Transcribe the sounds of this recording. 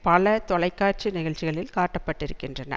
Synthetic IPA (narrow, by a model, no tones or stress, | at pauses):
pɐlɐt̪ɔlɐɪkːaːr̚t͡ʃinɪɣɐɻt͡ʃɪɣɐɭɪlkaːʈːɐpːɐʈːɪɾɯkːɪndrɐnɐ̰